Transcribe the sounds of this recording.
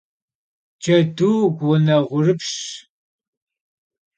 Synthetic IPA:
t͡ʃɐtuːkʷɔnɐʁʷʊrɨpɕ

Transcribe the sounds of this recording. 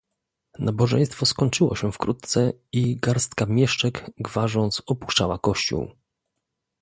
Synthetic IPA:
nabɔʐɛ̰j̃st̪fɔskɔɲt͡ʂɘwɔ̰ɕɛfkɾut̪t̪sɛiɡaɾst̪kamʲjɛʂt͡ʂɛɡɡvaʐɔnt̪sɔpu̥ʂt͡ʂawakɔɕt͡ɕṵw

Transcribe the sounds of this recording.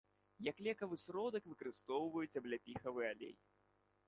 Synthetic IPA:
jaklʲɛkɐvɨsɾɔd̪ɐkvɨkɐɾɨst̪ɔwvɐjut͡sʲɐblʲapʲixɐvɨɛalʲḛj

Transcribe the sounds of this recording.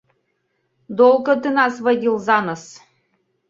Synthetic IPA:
d̪olˠɡɤ̆t̪ɨnɑsvɐdʲilˠzɑnɤs

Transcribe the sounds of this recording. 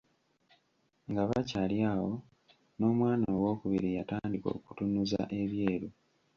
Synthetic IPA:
ŋɡaβacaljaːwo̞ | no̞ːmwaːnaoːwo̞ːkuβiɾijataːndiko̰ːku̥tunuza̰ʔe̞βje̞ːɾu

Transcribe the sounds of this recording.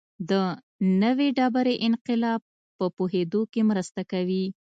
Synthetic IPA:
d̪ə | nəweɖɑbaɾeʔɪnqɪlɑb̚ | pəpoɦed̪okemɾəst̪akawi

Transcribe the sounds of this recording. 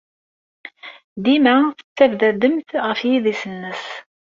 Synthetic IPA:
d̪imæθə̥t͡sːævðæd̪əmθʁəfjiðisənːəs

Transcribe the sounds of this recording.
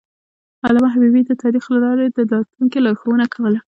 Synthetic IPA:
alamaɦabibid̪ət̪ɑɾixlalɑɾed̪əd̪ɑt̪uŋkilɑɾxowənakawəla

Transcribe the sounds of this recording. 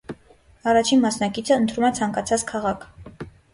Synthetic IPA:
ɑrɑt͡ʃʰinmɑsnɑkit͡sʰəənt̪ʰɾumɛt͡sʰɑŋkɑt͡sʰɑt͡skʰɑʁɑkʰ

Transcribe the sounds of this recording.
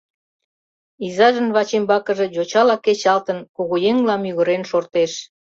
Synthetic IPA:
izɑʒənβɑt͡ɕembɑkə̆ʒe̽d͡ʑot͡ɕɑlɑket͡ɕɑlt̪ənkoɣojeŋlɑmyɣə̆ɾenʃort̪eʃ

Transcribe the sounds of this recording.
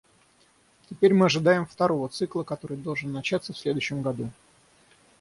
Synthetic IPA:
tʲɪpʲeɾʲmɨɐʐɨd̪ajɪmft̪ɐɾo̞vət̪sɨklˠəkɐt̪o̞ɾɨjd̪o̞lˠʐɨnːɐt͡ɕat̪səfsʲlʲe̞d̪ʊɥɕːɪmɡɐd̪u

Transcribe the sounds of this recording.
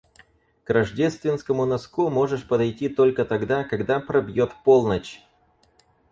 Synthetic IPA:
krɐʐdʲest̪vʲɪnskəmʊnɐskumo̞ʐɨʂpəd̪ɐjtʲit̪olʲkət̪ɐɡd̪akɐɡd̪apɾɐbʲjot̪po̞lˠnət͡ɕ

